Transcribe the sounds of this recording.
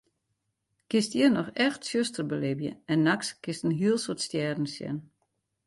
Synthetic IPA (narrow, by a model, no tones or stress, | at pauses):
kɪstiərnɔxɛxtsøstərbəlɪbjə̰ɛnːakskɪstən̩ɦiəlˠsotstjɛːdn̩sjɛ̰n